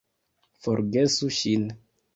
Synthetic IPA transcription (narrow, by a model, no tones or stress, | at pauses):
fɔɾɡesuʃin